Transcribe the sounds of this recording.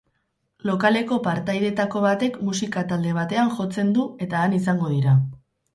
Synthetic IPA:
lo̞kale̞ko̞paɾt̪ajðe̞t̪ako̞β̞at̪e̞kmusikat̪ald̪e̞β̞at̪e̞aŋʝo̞t͡se̞nd̪ue̞t̪aːnisaŋɡo̞ð̞iɾa

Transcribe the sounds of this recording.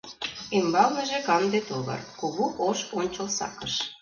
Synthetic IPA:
imbɑlmə̆ʒĕkɑmd̪et̪oɣɤ̰rkoɣuʔoʃonʲt͡ɕə̆lsɑ̰kəʃ

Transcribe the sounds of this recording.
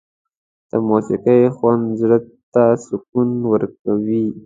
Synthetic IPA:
d̪̥əmosɪqəjxwand̪zɽət̪ːasʊkunwəɾkawi

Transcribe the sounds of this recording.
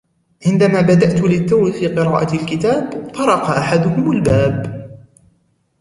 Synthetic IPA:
ʕɪnd̪amaːbad̪aʔt̪ʊlɪt̪ːawfiːqɨɾɑːʔalkɪt̪aːbt̪ˤɑɾˤɑqɑʔaħad̪ʊhʊmalbaːb

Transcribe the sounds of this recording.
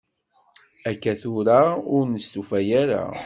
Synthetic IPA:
ækːæθʊɾaʊɾnəst̪ufæjaɾa̰

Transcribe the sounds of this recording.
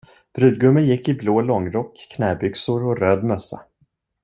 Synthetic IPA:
b̥ɾʉ̟ːd̪̚ɡɵmːənjɪkːɪbloːlɔŋːɾɔkːkʰːnɛːbʏksʊɾɔɾøːd̪mœsːa̰

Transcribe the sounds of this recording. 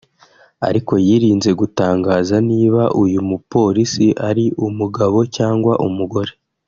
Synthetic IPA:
a̰ɾiko̞jiːɾiːnze̞ɡutaːŋɡaːzaniːβaʔujumupo̞ːɾisiʔaɾiʔumuɡaβo̞caːŋɡwaʔumuɡo̞ɾe̞

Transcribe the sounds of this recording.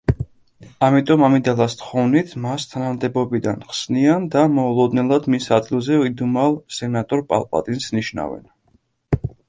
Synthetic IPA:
amit̪ʼɔmamid̪alˠast̪χɔvnit̪ʰmast̪ʰanamd̪ɛbɔbid̪anχsniand̪amɔulˠɔd̪nɛlˠad̪misad̪ɡilˠzɛid̪umalˠsɛnat̪ʼɔɾpʼa̰lˠpʼa̰t̪ʼinsniʃna̰vɛ̰n

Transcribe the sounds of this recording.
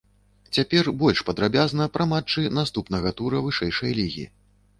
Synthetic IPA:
t͡sʲapʲɛrbɔlʲʂpɐd̪ɾabʲaznɐpɾɐmat͡ʂːɨnast̪upnɐɣɐt̪uɾɐvɨʂɛjʂɐjlʲiɣʲḭ

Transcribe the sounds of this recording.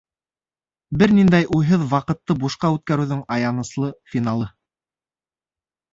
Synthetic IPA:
bɘɾnind̪æjʔujɦɤðwɑqɤ̆t̪ːɤbuʃqɑʉt̪̚kæɾʉðɵŋɑjɑnɤ̆slˠɤfʲinɑlˠɤ

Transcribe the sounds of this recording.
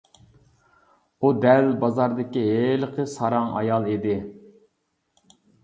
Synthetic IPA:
ud̪ɛlbɑzɑɾd̪ɪkʲieləqʰəsɑɾɑŋɑ̰jɑlˠid̪ɪ

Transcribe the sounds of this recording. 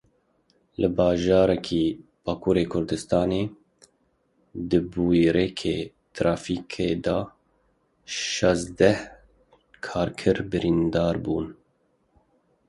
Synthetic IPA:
lɨbɑːʒɑːɾɛkʰiːb̥ɑːkʰuːɾeːkʰʊɾd̪ɨst̪ɑːneː | d̪ɨbuːiɾɛkʰeː | t̪ʰɾɑːfiːkʰeːd̪ɑ | ʃɑzd̪ɛh | kʰɑːɾkʰɨɾbɨɾiːnd̪ɑːɾbuːn

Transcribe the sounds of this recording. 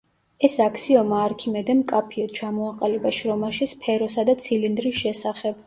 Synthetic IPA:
ɛsakʰsiɔmaːɾkʰimɛd̪ɛmkʼapʰiɔt̪t͡ʃʰamɔaqʼalɛbaʃɾɔmaʃispʰɛɾɔsad̪at̪sʰilind̪ɾisʃɛsaχɛb̥

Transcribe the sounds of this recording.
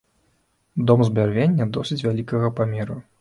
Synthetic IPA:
d̪ɔmzbʲarvʲenʲːɐd̪ɔsʲit͡sʲvʲalʲikɐɣɐpamʲɛɾu

